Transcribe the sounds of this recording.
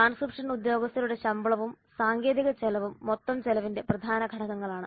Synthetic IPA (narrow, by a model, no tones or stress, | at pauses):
aːnskripʂɐnud̪jo̞ːɡɐst̪ɐluɽe̞ɕɐmbɐɭɐʋum | saːŋɡe̞ːðiɣɐt͡ɕelɐʋumːot̪ːɐmt͡ɕelɐʋinde̞prɐd̪ʱaːnɐɡʱɐɽɐɣɐŋːɐɭaːɳɨ